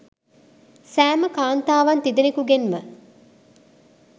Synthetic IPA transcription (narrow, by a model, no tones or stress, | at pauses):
sæːməkaːnt̪aːʋɐnt̪id̪enekuɡenmə